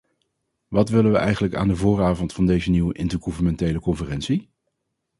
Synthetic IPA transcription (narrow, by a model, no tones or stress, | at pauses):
ʋɑtʋɪlənʋəʔɛjχənləka̰ːndəvʊːraːvɔntfɑndejzəniwəʔɪntəɹχuvənmɛntejləkɔnfərɛnsi